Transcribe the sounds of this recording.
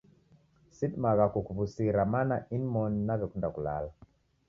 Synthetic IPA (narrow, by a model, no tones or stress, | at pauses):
sidmaɣakukuβusiɾamanainmɔnːaβɛkundakula̰la